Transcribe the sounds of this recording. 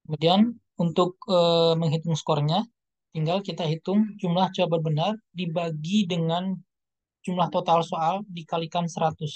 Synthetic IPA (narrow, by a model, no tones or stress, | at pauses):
kəmodian | unt̪ʊk̚əməŋɦit̪ʊŋskɔrɲa | t̪iŋɡalkit̪aɦit̪ʊŋd͡ʒumlaht͡ʃuabərbənardibaɡidəŋan | d͡ʒumlaht̪ot̪alsoaldikalikansəɾat̪ʊs